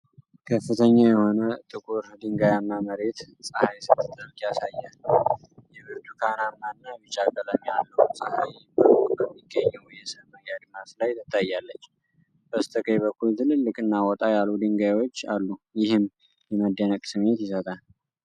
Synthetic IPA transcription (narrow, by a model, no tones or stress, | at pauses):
kʰəfːɨt̪ʰəɲːajɛho̞nət̪ʼɨkʼuɾd̪ɨŋɡajamːaməɾe̞t̪ | sʼəhajsɨbst̪ʰʼɨlkjasajːalː | jɛβɨɾt̪ʰukʰanamːanːamɨt͡ʃʼakʼələmjalːəusʼəhajbəkukkəmːiɡːəɲːɛwjɛsəməjad̪ɨmaflajt̪ʰət̪ʼajːalːət͡ʃː | b̥əst̪ʰəkʰʼəjβəkːult̪ʰɨnɨlːɨkʼɨnːawɔt̪ʼajalud̪ɨŋɡajwo̞t͡ʃːa̰lːujɪhɨm | jɛməd̪ənəkʼsɨmet̪jɪsət̪ʼal